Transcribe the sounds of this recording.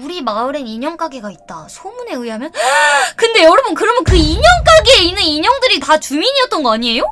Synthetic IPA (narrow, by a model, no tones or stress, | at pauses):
uɾimaɯɾe̞niɲʌŋk͈aɡeɡait̚t͈a̰sʰomune̞ɯiɦamjʌnnkɯnde̞jʌɾɯbonkɯɾʌmʌnkɯiɲʌŋk͈aɡeeinːɯniɲʌŋdɯɾitat͡ɕumiɲiʌt̚t͈ʌnɡʌaɲie̞jo